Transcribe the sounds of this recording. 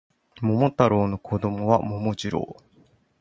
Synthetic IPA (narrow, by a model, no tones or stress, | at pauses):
mo̞mot̪aɾoːno̞kʰod̪o̞mo̞βamo̞mod͡ʑiɾo̰ː